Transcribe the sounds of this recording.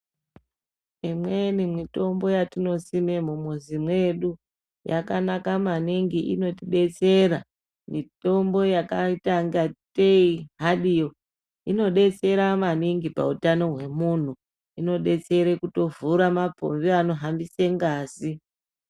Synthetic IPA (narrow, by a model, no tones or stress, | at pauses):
imwenimwito̞mbo̞jatino̞sime̞mumuzimwe̞ɗu | ja̰kanakamaniŋɡiʔino̞tiɗe̞t͡se̞ɾa | mito̞mbo̞jakaitaŋɡateiɦaɗijo̞ | ino̞ɗe̞t͡se̞ɾamaniŋɡipa̰utano̞ɦwe̞mun̤u | ino̞ɗe̞t͡se̞ɾekuto̞vuɾamapo̰mviano̞ɦambiseŋɡaːzi